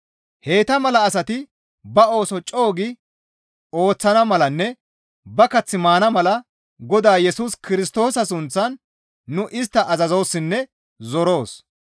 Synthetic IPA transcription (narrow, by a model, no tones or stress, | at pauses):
he̞ːt̪ɐmɐlɐːsɐt̪ɪ | bɐo̞ːsɔt͡ʃʼo̞ːɡɪ | o̞ːt͡sːɐnɐmɐlɐnːɛ | bɐkɐt͡sːɪmaːnɐmɐlɐ | ɡɔd̪aːjɛsuːskɪɾɪst̪o̞ːsɐs̬ʊnt͡sːɐnː | ʊʔɪst̪ːɐʔɐzɐzo̞ːsːɪnːɛ | zɔɾo̞ːs